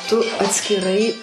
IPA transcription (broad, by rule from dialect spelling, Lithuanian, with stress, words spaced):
tʊ ɐtʲsʲkʲɪˈrɐɪ